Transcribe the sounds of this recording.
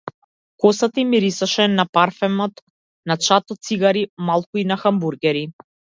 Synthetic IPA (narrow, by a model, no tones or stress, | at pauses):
kɔsat̪imiɾisaʃɛnapaɾfɛmɔt̪ | nat͡ʃat̪ɔt̪siɡaɾimalˠkuinaxambuɾɡɛɾi